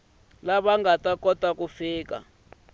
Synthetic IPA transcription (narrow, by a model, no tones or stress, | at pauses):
laβaŋɡatakɔtakufiːka̰